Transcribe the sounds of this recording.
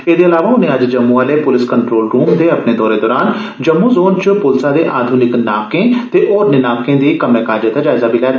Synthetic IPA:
eːd̪eɐlaːʋaʊnɦẽɐd͡ʒd͡ʒɐmːũaːlepʊlɪskəɳʈɾoːlɾuːmd̪eɐpned̪ɔːɾed̪ɔːɾaːn | d͡ʒɐmːuzoːnt͡ʃʊpʊlsad̪eʔaːd̪ʱʊnɪknaːkẽt̪eʔɔːɾnɪnaːkẽd̪ikɐmẽkaːd͡ʒəd̪ad͡ʒaːɪzabʱilɛːt̪ː

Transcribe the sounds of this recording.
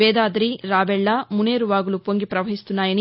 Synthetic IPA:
eːd̪aːd̪ɾiɾaːbɛɭːamuneːɾuʋaːɡulupoŋɡipɾɐʋɐɦist̪unːaːjɐni

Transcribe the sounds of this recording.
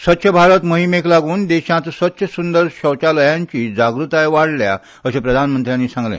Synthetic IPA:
sət̪ːɕʰəbʱaɾət̪məɦimeklaɡuːnd̪eɕãt̪sʋət̪ːɕʰəsund̪əɾɕəwt͡ɕaləjãɲt͡ɕiːd͡zaɡɾut̪ajʋaɽ̤lja̰ | əsepɾəd̪ʱanmənt̪ɾjãnːiːsãŋɡlḛ̃

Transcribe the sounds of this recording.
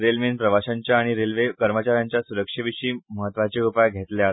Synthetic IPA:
ɾelmenpɾəʋaɕaɲt͡ɕjaːɽ̃iɾelʋekəɾmət͡ɕaɾjaɲt͡ɕjasuɾəkʂəʋiɕiːməɦət̪ʋat͡ɕeupajɡʱet̪lea

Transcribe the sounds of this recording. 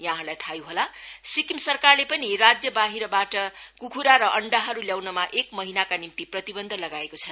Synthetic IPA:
jãɦalajt̪ʰajuɦolasikimsʌrkarlepʌnirad͡zjʌbaɦiɾʌbaʈʌkukʰuɾaɾʌʔʌɳɖaɦʌɾuljawnʌmaʔek̚mʌɦinakanimt̪iprʌt̪ibʌnd̪ʱʌlʌɡaekot͡sʰʌ

